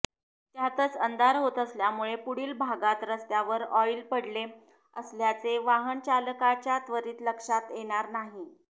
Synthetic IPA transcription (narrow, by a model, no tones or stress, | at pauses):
t̪jat̪ət͡sənd̪aɾɦot̪əsljamuɭepuɽiːlbʱaɡat̪ɾəst̪jaʋəɾɔilpəɽle | əsljat͡seʋaɦəɳt͡ɕaləkat͡ɕjat̪ʋəɾiːt̪ləkʂat̪jeɽ̃aɾnaɦi